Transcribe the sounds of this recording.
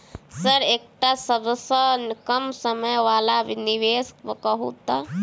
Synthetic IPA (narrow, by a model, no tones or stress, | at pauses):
səɾeːk̚ʈasəbəsəkəmsəməjʋaːlaʋiniʋeːskəkəɦṵt̪a